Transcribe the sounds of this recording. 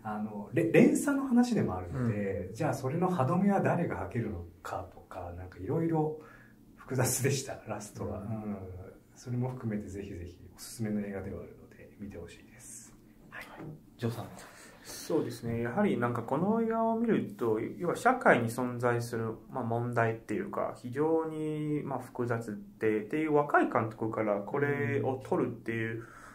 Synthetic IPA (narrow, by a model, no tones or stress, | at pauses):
ano̞ɾeɾẽ̞ɰ̃sanːo̞hanaɕid̪e̞mo̞aɾɯ̟nod̪e̞d͡ʑaːso̞ɾe̞no̞had̪o̞meβad̪aɾe̞ɡahake̞ɾɯ̟no̞kʰat̪o̞̥kanãŋkaiɾo̞iɾo̞ | ɸɯ̥kɯ̟zat͡sɨd̪e̞ɕi̥t̪a̰ɾasɨ̥t̪o̞βa̰ɯ̃ | so̞ɾe̞mo̞ɸɯ̟̥kɯ̟me̞t̪e̞ze̞çize̞çḭo̞sɨ̥sɨme̞no̞e̞ːɡad̪e̞βaaɾɯ̟no̞d̪e̞mʲit̪e̞ho̞ɕi̥ːd̪̥e̞sɨ̥ | haj | d͡ʑoːsã | so̞ːd̪e̞sɨne̞jaɦaɾʲinãŋkako̞no̞eːɡao̞mʲiɾɯ̟t̪o̞jo̞βaɕakaiɲ̟isõ̞nzaisɨɾɯ̟mamõ̞nd̪ait̪ːe̞jɯ̟̰ːka̰çiʑo̞ːɲ̟imaɸɯ̟̥kɯ̟zat͡sɨt̪ːe̞t̪e̞jɯ̟ːβakaikãnt̪o̞̥kɯ̟kaɾakʰo̞ɾe̞o̞t̪ʰo̞ɾɯ̟t̪ːe̞jɯ̟ː